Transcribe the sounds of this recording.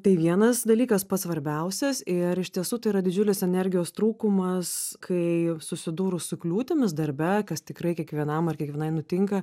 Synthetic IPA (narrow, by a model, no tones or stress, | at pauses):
t̪ɐɪʋʲiɛnɐsd̪ɐlʲiːkɐspɐt̪sʋɐɾʲbʲɛʊsʲɛsɪɾɪʃt̪ʲiɛsuːt̪ɐɪiːɾɐd̪ʲɪd͡ʒʲʊlʲɪsɛnʲɛɾʲɡʲɪjoːst̪ɾuːkʊmɐskʰɐɪsʊsʲɪd̪uːɾʊsʊklʲuːt̪ʲɪmʲɪsd̪ɐɾʲbʲɛkɐst̪ʲɪkɾɐɪkʲiɛkʋʲiɛnɐmɐrkʲɛkʋʲɛnɐɪnʊt̪ʲɪŋkɐ